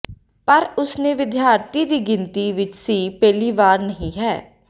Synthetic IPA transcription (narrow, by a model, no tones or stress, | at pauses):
pəɾʊsnẽːʋɪd̪jaːɾt̪iːd̪iːɡɪnt̪iːʋɪt͡ʃsiːpɛːliːʋaːɾnəɦĩːɦɛː